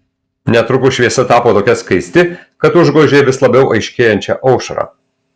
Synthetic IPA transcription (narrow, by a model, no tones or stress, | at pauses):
nʲɛt̪ɾʊkʊʃʲʋʲiɛsɐt̪ɑːpoːt̪oːkʲɛskɐɪsʲt̪ʲɪkɐt̪ʊʒɡoːʒʲeːʋʲɪslˠɐbʲɛʊʔɐɪʃʲkʲeːjɛnʲt͡ʃʲɛʔɐʊʃɐ̰ɾɑ̰ː